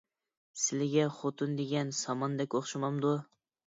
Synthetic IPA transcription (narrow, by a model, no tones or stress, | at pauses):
sɪlɪɡʲaχot̪ʰʊnd̪eɡʲansɒmɒnd̪ɛkʲoχʃɪmɑmd̪ʊ